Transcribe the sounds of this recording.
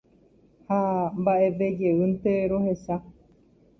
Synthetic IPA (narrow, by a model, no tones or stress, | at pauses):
hambaʔe̞ʋe̞d͡ʒe̞ɨnt̪e̞ɾohe̞sa